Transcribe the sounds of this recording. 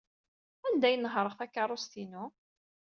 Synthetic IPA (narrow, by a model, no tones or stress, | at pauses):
ænd̪æjənːəɦɾˤəʁθækːɑrˤːost̪inu